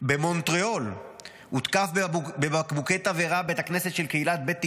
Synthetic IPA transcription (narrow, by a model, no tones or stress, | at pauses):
be̞mo̞nt̪ʁeo̞l | hut̪kafbebeakbuket̪aveʁabet̪aknese̞t̪ʃe̞lkeilat̪̚be̞t̪ːi